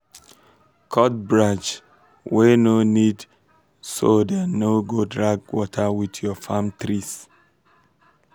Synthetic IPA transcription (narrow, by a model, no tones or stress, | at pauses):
kʰɔt̚bɹad͡ʒ | wenonid | sodɛnoɡodɹaɡ̚wɔtʰəwidjɔfãmtɹis